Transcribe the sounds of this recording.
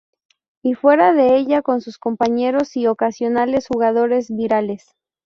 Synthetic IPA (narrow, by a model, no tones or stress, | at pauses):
ifwe̞ɾaðe̞eʝako̞nsusko̞mpaɲe̞ɾo̞sio̞kasjo̞nalesxuɣað̞o̞ɾe̞zβiɾale̞s